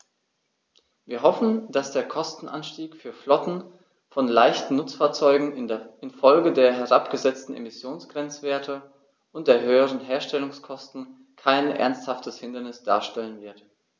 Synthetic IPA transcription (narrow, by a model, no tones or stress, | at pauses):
viːɐɦɔfn̩d̥asd̥eːɐkʰɔstn̩ʔa̰nʃtiːkfyːɐflɔtn̩ | fɔnlaɪçtn̩ːʊt͡sfaːɐt͡sɔʏɡŋ̩ɪnfɔlɡədeːɐɦɛʁapɡ̥əzɛt͡stn̩ʔḛmɪsjoːnsɡ̥ʁ̥ɛnt͡sv̥eːɐtʰə | ʔʊnt̚d̥eːɐɦøːəʁ̞ənɦeːɐʃtɛlʊŋskʰɔstn̩ | kʰaɪnʔɛ̰ɐnsthaftʰəshɪndɐnɪsd̥a̰ːɐʃtɛlənvɪɐt